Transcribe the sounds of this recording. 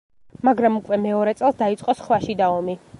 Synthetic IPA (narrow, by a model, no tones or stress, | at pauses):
maɡɾamukʼwɛmɛɔɾɛt̪sʼɛlˠsd̪ait̪sʼqʼɔsχlaʃid̪aɔmi